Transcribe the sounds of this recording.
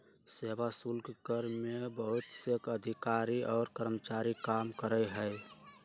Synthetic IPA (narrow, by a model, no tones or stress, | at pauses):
seːbasulkkəɾmebəɦʊt̪sekəd̪ʱikaɾiʔɔːɾkəɾmət͡ʃaɾikaːmkəɾəɦəj